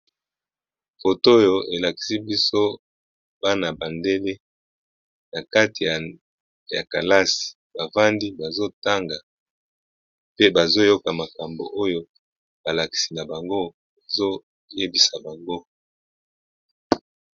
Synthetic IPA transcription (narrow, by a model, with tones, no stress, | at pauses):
fo˨to˦jo˨e˨la˨ki̥˨si˦bi˦so˦ | b̥a˦na˨ba˨nde˦le˦ | na˨ka˦ti˨ja˨ | ja̰˨ka˨la˦si̥˨ | ba˨va˦ndi˦ba˨zo˦ta˦ŋɡa˨ | pe˦ba˨zo˦jo˦ka˨ma˨ka˨mbo̰˨ʔo˦jo˦ | ba˨la˨ki̥˨si˨na˨ba˨ŋɡo˦ | a˨zo˦ | je˦bi˨sa˨ba˨ŋɡo˦